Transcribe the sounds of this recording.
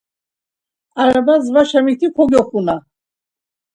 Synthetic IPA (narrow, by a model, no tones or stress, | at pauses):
aɾabazvaʃamit̪ʰikʰɔɡɔχuna